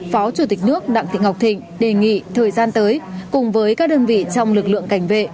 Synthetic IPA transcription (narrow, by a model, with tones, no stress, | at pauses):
fɔ˨˦t͡ɕu˧˩t̪ï˨˩k̟̚nɨ˦˥ək̚ɗa̰ː˧˨ŋḭ˧˨ŋɦwk͡p̚t̪ʰï˨˩ŋ̟ɗe˨˩ŋḭ˧˨t̪ʰəː˨˩jzaː˧nt̪əː˨˦jkʊ˨˩ŋ͡mvəː˨˦jkaː˦˥k̚ɗəː˧nvḭ˧˨t͡ɕɔ˧wŋ͡mlɨ˨˩k̚lɨ̰˧˨əŋka˧˩jŋ̟vḛ˧˨